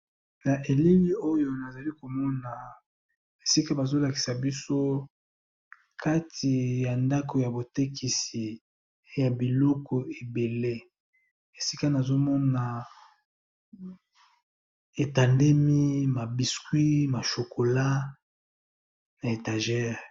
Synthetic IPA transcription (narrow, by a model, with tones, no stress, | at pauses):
na˨ʔe˨li˦li˦o˦jo˦na˨za˨li˦ko˨mɔ˦na˨ | e˨si˦ka˦ba˨zo˦la˨ki̥˨sa˨bi˦so˦ | kʰa˦tʰi˨ja˨nda˦kʰo˨ja˨bo˨te˦kʰi˨si˨˦ | ja˨bi˨lɔ˦kɔ˨e˨be˨le˦ | e˨si˦ka˦na˨zo˦mɔ˦na˨ | e˨ta˨nde˦mi˦ma˨bi˨skwi˦ma˨ʃo˨ko˨la˦ | na˨e˨ta˨ʒɛ˦ʁ